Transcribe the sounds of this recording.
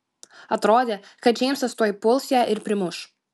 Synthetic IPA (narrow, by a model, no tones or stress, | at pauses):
ɐt̪ɾoːd̪ʲeːkɐt̪d͡ʒʲɛɪmsɐt̪st̪oːjɪpʊlˠʲsʲjæʔɪɾpʲɾʲɪmʊʃ